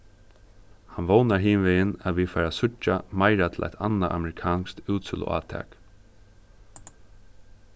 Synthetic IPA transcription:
hanʋownaɹɦiːnʋɪɪnaʋiːfaːɾasʊt͡ʃamaɪɾat̪ʰɪlʔa̰ɪt̪a̰naʔa̰mɛɾɪkʰɑːnst̪uːt̪sɪlʊ̰a̰ːt̪ʰɛ̰ːk

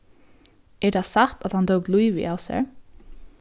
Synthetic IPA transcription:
ɛɹt̪ʰasaht̪at̪hant̪ʰoʊklujʋɪ̰ʔaːʋsɛ̰ɹ

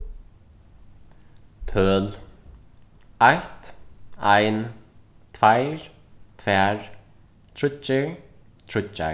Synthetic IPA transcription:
t̪ʰœːl | ajht̪ajnt̪ʰvajɾ | t̪ʰvɛːɹ | t̪ʰɾʏt͡ʃːɪ | t̪ʰɾʏt͡ʃːa̰

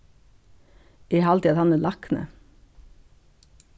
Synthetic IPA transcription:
eːhɑlt̪ɪɑt̪hɑnəlɑknə̰

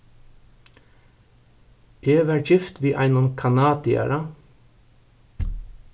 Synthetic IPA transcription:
eːʋæɹçɪft̪ʋiːʔɑɪnɔnkʰɑnɑːd̪ɪæ̰ɾɑ

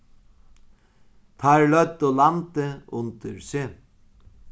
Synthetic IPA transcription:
t̪ʰaɹlœt̪olant̪əʊnt̪əɾsɪ

